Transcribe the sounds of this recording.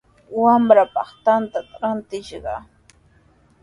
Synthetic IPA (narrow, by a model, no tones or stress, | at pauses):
wamɾapɑχt̪ant̪at̪ɾant̪ɪʃɢɑ̰